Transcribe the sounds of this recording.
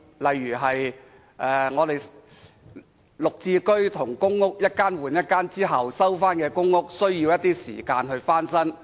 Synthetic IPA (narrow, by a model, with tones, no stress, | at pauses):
lɐ˨jyː˨˩ɦɐ˨j | ʔɛː˨˧ŋɔː˨˧t̪e˨j | lʊ˨k̚t͡siː˧kɵ˥ɥt̪ʰʊ˨˩ŋkʊ˥ŋŋʊ˥k̚jɐ˥t̚kaː˥nwuː˨˩njɐ˥t̚kaː˥nt͡siː˥ɦɐ˨wsɐ˥wfaː˥nkɛː˧kʊ˥ŋːʊ˥k̚sɵ˥ɥjiː˧wjɐ˥t̪̚iː˥sḭː˨˩kaː˧nɦɵ˧ɥfaː˥nsɐ˥ŋ